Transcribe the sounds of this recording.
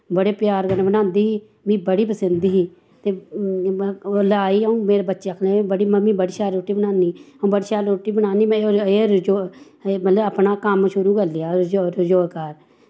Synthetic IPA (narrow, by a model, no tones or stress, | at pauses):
bəɽeːpjaːɾkənẽbənãːnd̪iːɦiː | mĩːbəɽiːpəsənd̪iːɦiː | t̪eː | olaːiːəũːmeːɾeːbətːʃeakʰlẽbəɽiːməmĩːbəɽiːʃaːɾɾoːʈiːbənãːniːəũːbəɽiːʃaːɾɾoːʈiːbənãːniːmɛ̃eːɾd͡ʒoː | mət̪ləəpnaːkəmʃʊɾuːkəɾlɪjaːd͡ʒoɾəd͡ʒoːkaːɾ